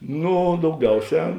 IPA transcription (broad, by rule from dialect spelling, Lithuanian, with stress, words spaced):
ˈnuː dɐʊˈɡʲɛʊˌsʲɛː